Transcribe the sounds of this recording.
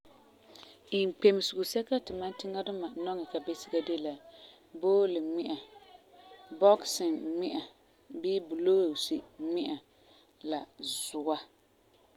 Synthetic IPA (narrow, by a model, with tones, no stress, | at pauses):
i˨ŋ˨k͡pe˨mɪ˨sɪ˨ʊ˨sɛ˦ka˦tɪ˨ma˦n˦tɪ˦ŋa˦dʊ˦ma˨nɔ˦ŋɛ˨ka˨be˦sɪ˦ɡa˦de˦la˨ | boː˦lɪ˨mɪ˦ʔa˨ | bɔ˦ksɪ˨nmɪ˦ʔa˨ | bɪ˦bʊ˨loː˦˨si˨mɪ˦ʔa˨ | la˨zʊ˨a˦